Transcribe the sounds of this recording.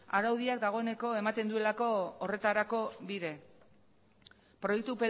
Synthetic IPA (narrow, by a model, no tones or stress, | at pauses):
aɾawðiak̚d̪aɣ̞o̞e̞ne̞ko̞e̞mat̪e̞nd̪ue̞lako̞ːre̞t̪aɾako̞βiðe̞ | pɾo̞jek̚t̪upe